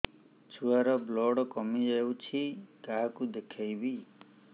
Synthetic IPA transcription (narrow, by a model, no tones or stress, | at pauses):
t͡ʃʰuaɾɔblɔɽɔkɔmid͡ʒajwt͡ʃʰikaɦkud̪ekʰajbi